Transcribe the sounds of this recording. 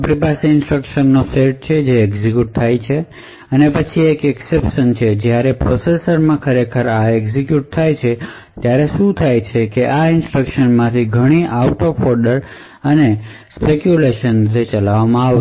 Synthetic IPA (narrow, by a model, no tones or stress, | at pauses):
pɾipasiɪnsʈɾəkʃənːoseɾʈ̚t͡ʃʰed͡ʒeːkzikjuʈ̚t̪ʰajt͡ʃʰe | ənepət͡ʃʰiekeksepʃənt͡ʃʰed͡ʒjaɾepɾosesəɾmãkʰəɾekʰəɾaeɡsikjuʈ̚t̪ʰajt͡ʃʰe | t̪jaɾeʃũt̪ʰajt͡ʃʰekeʔaɪnsʈɾɾəkʃənmãt̪ʰiɡʱəɽ̃iʔauʈofɔɾɖəɾ | əne | spekjuleʃənt̪et͡ʃəlaʋamãaʋ